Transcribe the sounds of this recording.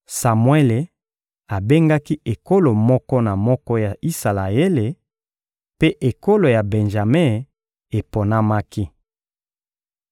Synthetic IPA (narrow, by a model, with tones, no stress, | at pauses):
sa˨mwe˦le˨ | a˨be˦ŋɡa˦ki˦ʔe˨ko˦lo˨mɔ˦kɔ˦na˨mɔ˦kɔ˦ja˨ʔi˦sa˨la˨e˦le˨ | pe˦ʔe˨ko˦lo˨ja˨be˨nʒa˨me˦ | e˨po˨na˦ma˦ki˦